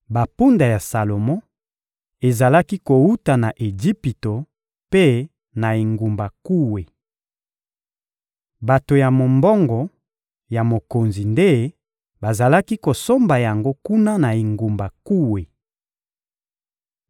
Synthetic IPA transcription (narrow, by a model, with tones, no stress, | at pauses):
ba˨pu˦nda˨ja˨sa˨lo˨mɔ˦ | e˨za˨la˦ki˦ko˨u˦ta˨na˨ʔe˨d͡ʒi˦pi˨to˨ | pe˦ | na˨i˨ŋɡu˨mba˨ku˦we˨ | ba˨to˨ja˨mo˨mbɔ˦ŋɡɔ˨ | ja˨mo˨ko˨nzi˨nde˦ | ba˨za˨la˦ki˦ko˨so˦mba˨ja˨ŋɡo˦ku˦na˦na˨i˨ŋɡu˨mba˨ku˦we˨